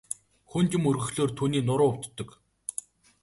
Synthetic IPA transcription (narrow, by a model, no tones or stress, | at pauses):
xunt̪ɪ̆mɵrɣɵ̆xɮoːrt̪ʰuːniːnʊɾʊːʊw̥ʲt̪ːɞ̆k